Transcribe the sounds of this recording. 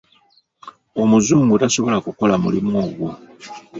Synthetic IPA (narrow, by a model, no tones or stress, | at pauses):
o̞muzuːŋɡutaso̞βo̞lakuko̞lamulimwo̞ːɡwo